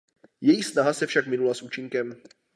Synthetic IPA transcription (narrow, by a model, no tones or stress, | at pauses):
jɛjixsnaɦasɛfʃakmɪnulasʔut͡ʃɪŋkɛm